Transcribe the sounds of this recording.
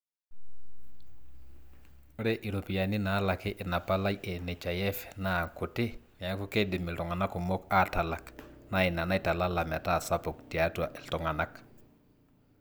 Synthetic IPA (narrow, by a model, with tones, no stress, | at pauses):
u˦ɾe˦ʔi˨ɾo˨pi˨ja˨ni˦na˨˦la˨ke˦ʔi˨na˨pa˦la˦je˨ne˨t͡ʃa˨jɛ˦fna˦˨ku˨te˦m˨a˨˦ku˦ke˦di˨mi˨ltu˨ŋa˨na˦ku˨mo˦ka˦ta˨la˨kna˦i˨na˨na˦jta˨la˦la˨m˨a˨ta˦˨sa˦pu˨k̚ti˨a˦tu˦a˨ʔi˨ltɔ˨ŋa˨na˦k